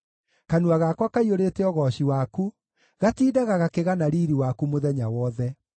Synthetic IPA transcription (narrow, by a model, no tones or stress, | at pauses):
kanuaɣakwakaioɾeːtɛɔɣɔɕiwaku | ɣatiːdaɣaɣakeɣanaɾiːɾiwakumoðɛɲawɔðɛ